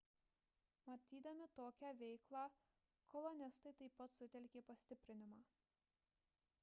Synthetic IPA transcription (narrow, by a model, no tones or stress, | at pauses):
mɐt̪ʲiːd̪ɐmʲɪt̪oːkʲɛʋʲɛɪklˠɑː | kʰɔlˠɔnʲɪst̪ɐɪt̪ɐɪpːɐt̪sʊt̪ʲɛlʲkʲeːpɐsʲt̪ʲɪpʲɾʲɪnʲɪmɑː